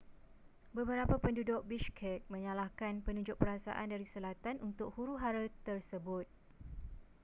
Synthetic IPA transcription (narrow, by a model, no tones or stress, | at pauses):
bəbəɾapapəndudʊk̚biʃkʰɛt̪̚mə̃ɲãlahkanpənũd͡ʒʊk̚pəɾasa̰ʔandaɾisəlat̪anunt̪ʊk̚huɾuɦaɾət̪ərsəbʊt̪̚